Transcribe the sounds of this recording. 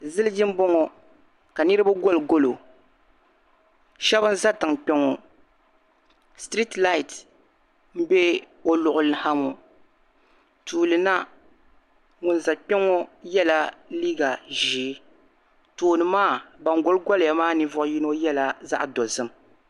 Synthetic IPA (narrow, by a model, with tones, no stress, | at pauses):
zɨ˦lɨ˦d͡ʒɪ˦m˦bɔ˦ŋɔ˨ | ka˨nɨ˦ɾɨ˦ba˦ɡo˦lɡo˦lo˨ | ʃɛ˦bɨ˦n̩˦za˦tɨ˨ŋk͡pɛ˦ŋɔ˨ | stɾi˦tla˦i˨t | m̩˦be˦ | o˦lʊ˨ʔʊ˨lɨ˨ha˦mo˨ | tʰuː˨lɨ˨na˦ | ŋʊ˨n˨za˨k͡pɛ˦ŋɔ˦jɛ˦la˦liː˦ɡa˨ʒiː˨˦ | toː˨nɨ˨maː˦˨ba˨ŋɡo˦lɡɔ˦lja˨maː˦nɨ˦vʊ˦ʔʊ˦ji˦no˦jɛ˦la˦za̰˦ʔdɔ˨zɨ˦m